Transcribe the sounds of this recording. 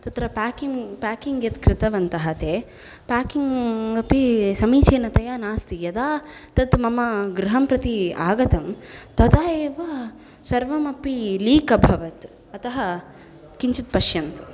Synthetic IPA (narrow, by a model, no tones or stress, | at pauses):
t̪ɐt̪ɾɐpaːkiŋpaːkiŋɡjɐt̪kɾɪt̪ɐʋɐnt̪ɐɦɐt̪eː | paːkiŋɐpisɐmiːt͡ʃeːnɐt̪ɐjaːnaːst̪ijɐd̪aː | t̪ɐt̪mɐmɐɡɾɐɦɐmpɾɐt̪iaːɡɐt̪ɐmt̪ɐt̪aːjeːʋɐ | sɐɾʋɐmɐpiliːkɐbʱɐʋɐt̪ | ɐt̪ɐɦɐ | kiɲt͡ʃut̪̚pɐʃjɐnt̪u̥